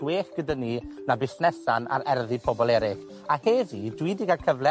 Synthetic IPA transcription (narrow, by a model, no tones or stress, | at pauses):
weːɬɡ̥ədəninabɪsnɛsana̰ɾɛrðipʰɔbɔlˠɛɾɪχ | aheːðidwiːdiɡakʰəvlˠɛ